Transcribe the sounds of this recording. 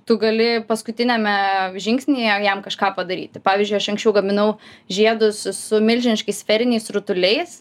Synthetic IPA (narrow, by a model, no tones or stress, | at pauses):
t̪ʊɡɐlʲɪpɐskʊt̪ʲɪnʲɛmʲɛʒʲɪŋksʲnʲijɛjɛmkɐʃkɑːpɐd̪ɐɾʲḭːt̪ʲɪpɑːʋʲiːzʲd͡ʒʲʊɪɐʃɐ̃ŋksʲt͡ʃʲɛʊɡɐmʲɪnɐʊʒʲiɛd̪ʊssʊmʲɪlʲʒʲɪnʲɪʃkɐɪsfʲɛɾʲɪnʲɛɪsɾʊt̪ʊlʲɛɪs